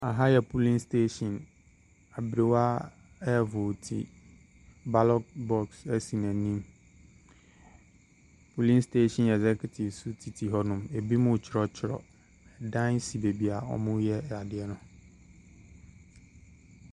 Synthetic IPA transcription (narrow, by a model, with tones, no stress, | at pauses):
a˨ɦa˦jɛ˨pʰu˦lĩ˦nstʰe˦ʃɔ̃˨n | a˨bɾɪ˨wa˦ | ɛ˦vʊ˨tʰḭ˨ | ba˦lɔ˦k̚bɔ˦ksɛ˦si˨nã˨˦nĩ˦m | pʰu˨lĩ˦nste˦ʃɔ̃˨nɛ˨zɛ˦kʰɛ˨tʰi˨vsu˦tʰi˨tʰi˨ɦɔ˦nʊ̃˨me˨bi˦mʊ̃˦˨t͡ɕʰɪ˨˦ɾɔ˦t͡ɕʰɪ˨ɾɔ̰˨ | ɛ˨dã˦n˦si˨be˨bi˨a˨ɔ̰˦mʊ̃˦jɛ˦˨a˨dɪ˨˦ɛ˦nʊ̃˨